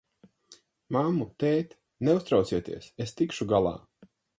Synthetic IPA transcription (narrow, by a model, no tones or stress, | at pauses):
mamːut̪ɛːt̪ | nɛust̪ɾawt̪siɛt̪ḭɛsest̪ikʃuɡalˠa̰ː